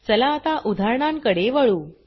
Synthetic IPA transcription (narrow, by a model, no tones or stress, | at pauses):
t͡səlaːt̪aʔud̪ʱaɾɳaŋkəɽeʋəɭuː